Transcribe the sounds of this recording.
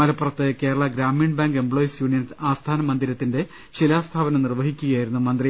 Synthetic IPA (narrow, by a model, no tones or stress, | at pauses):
mɐlɐpːurɐt̪ːɨke̞ːɾɐɭɐɡɾaːmiːɳbaːŋɡembɭoːjisjuːɳijɐnsaːst̪ʰaːnɐmɐnd̪iɾɐt̪ːinde̞ | ɕilaːst̪ʰaːbɐnɐnirʋɐɦikʲːuɣɐjaːjiɾunːumɐnd̪ri